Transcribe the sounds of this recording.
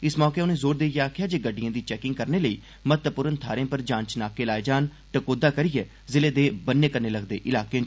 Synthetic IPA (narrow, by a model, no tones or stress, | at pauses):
ɪsmɔːkeːʊnẽːzoːɾd̪eːjaːkʰjaːd͡ʒeːɡəɖːɪjãːd̪iːt͡ʃɛːkɪ̃ŋɡ̚kəɾneːləiː | mət̪əpʊɾənt̪ʰaːɾẽːpəɾd͡ʒãːɲt͡ʃnaːkeːlaːed͡ʒaːn | ʈəkoːd̪aːkəɾiːɛː | zɪleːd̪eːbənːeːkəɾneːləɡd̪ḛːʔɪlaːkeẽː